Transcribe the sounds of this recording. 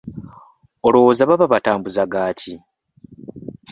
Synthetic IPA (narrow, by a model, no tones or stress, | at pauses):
olowozaβaβaβataːmbuzaɡaːci